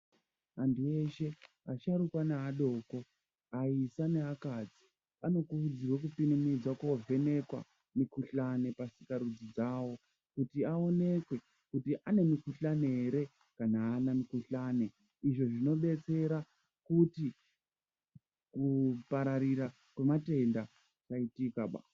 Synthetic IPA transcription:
andue̞ʃe̞ | a̰ʃaɾukwanaɦaɗo̞ːko̞ | aisane̞ɦakad͡zi | ano̞kuud͡zirwek̬upinimid͡zwakwavʱe̞ne̞kwa̰ | mikuɬane̞pasikaɾud͡zid͡zaːwo̞ | kutiao̞ne̞kwe̞ | kutiʔane̞mikuɬane̞ɦeɾe̞ | kanaːnamikuɬaːne̞ | iʐo̞ʐino̞ɓe̞t͡se̞ɾa | kuti | kupaɾaɾiɾa | kwe̞mate̞nda | t͡ʃaitikaɓa̰ːs

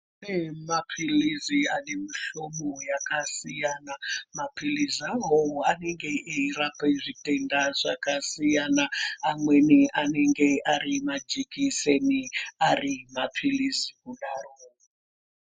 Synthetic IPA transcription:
emapʰilizianemuʃomojakasijanamapʰilizaɦooaneŋɡe̞ʔeirapeʐitendaʐakasijanaamwenianeŋɡeʔaɾimad͡ʒikiseniarimapʰilizikuɗaro

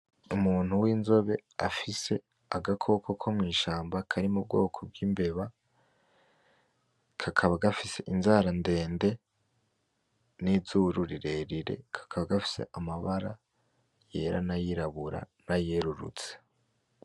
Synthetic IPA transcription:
umuːn̥huwiːnzo̞βe̞afise̞ | aɡakʰo̞kʰokʰo̞mŋiːʃaːmbakʰaɾimub̚ɡo̞ːkʰob̚ɡiːmbe̞βa | kʰakʰaβaɡafise̞ʔinzaɾande̞ːnde̞ | nizuɾuɾiɾe̞ːɾiɾe̞̰kʰḁkʰaβaɡafi̥se̞̰ʔamaβaɾa | je̞ːɾa̰najiɾaβuɾa̰najeɾuɾṵt͡se̥

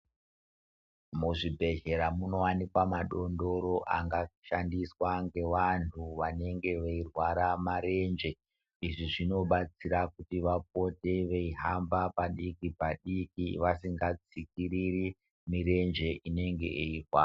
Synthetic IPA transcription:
muʐibʱe̞ʒe̞ɾamuno̞wanikwamaɗo̞ndo̞ɾo̞ʔaŋɡaʃandiswaŋɡe̞ʋantʰuʋane̞ŋɡe̞ʋeirwaɾamaɾe̞nd͡ʒe̞ | iʐiʐino̞ɓat͡siɾakutiʋap̚o̞te̞ʋeiɦambapaɗikipaɗikiʋasiŋɡat͡sik̚iɾiri | miɾe̞nd͡ʒe̞ʔine̞ŋɡe̞ʔeirwa̰ː

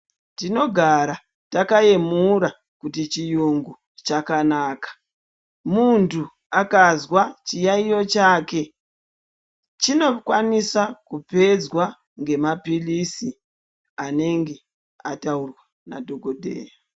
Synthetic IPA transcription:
tino̞ɡʱaɾa | takae̞muɾa | kutit͡ʃijuŋɡu | t͡ʃakanaːkḁ | muntu | akazwat͡ʃijaijo̞t͡ʃaːke̞ | t͡ʃino̞kwanisakupe̞d͡zwa | ŋɡe̞mapilisi | ane̞ŋɡe̞ | ataurwa | na̰dʱo̞ɡʱodʱḛːja

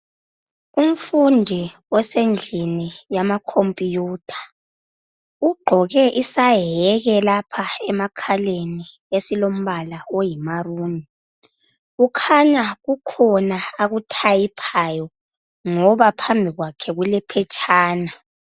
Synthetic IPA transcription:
um̩fundʱi | ɔsend͡ɮʱinijamakʰompʼijuːtʰḁ | uɡ͡ǃʱɔɣɛʔisaɦɛɣɛlapʰaɛmakʰaleni | esilom̩βalaojimaruːni | ukʰaɲaɣukʰɔnaːɣutʰajipʰajɔ | ŋɔβapʰambʱiɣwakʰɛɣulɛpʰɛt͡ʃʼʰaːna

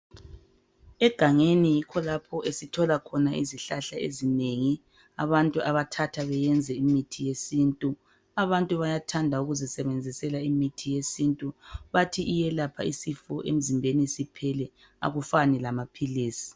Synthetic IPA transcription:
ɛɡ̥ʱaŋenijikʰɔlapʰɔʔesitʰɔlakʰɔnaʔiziɬaɬaḛzineŋi | aβantʼuʔaβatʰatʰaβɛjɛnd͡zʱɛimitʰijesintʼu | aβantʼuβajatʰandʱauɣuzɛsɛβɛnd͡zʱisɛlaimitʰijesintʼuβatʰiʔːjɛlapʰa̰isifɔʔḛm̩zimbʱenisipʰɛlɛ | a̰ɣufanɛlamapʰiliːsi̥

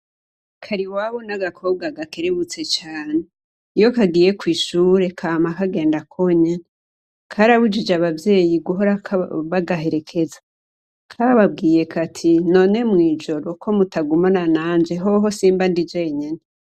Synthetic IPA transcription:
kʰaɾiwaβonaɡakʰo̞bɡaɡake̞ɾeβut͡se̞t͡ʃaːne | ijo̞kaɡiːjekwiːʃuːɾe̞kʰamakaɡe̞ːndakʰoɲene | kʰaɾaβud͡ʒid͡ʒaβavje̞ːjiɡuɦo̞ɾakβaɡaɦe̞ɾe̞kʰe̞zḁ | kʰaaβab̚ɡiːje̞kʰatʰino̞ne̞mŋiːd͡ʒo̞ɾo̞kʰo̞mutaɡumananaːnd͡ʒe̞ɦo̞ɦo̞siːmbandid͡ʒeɲene

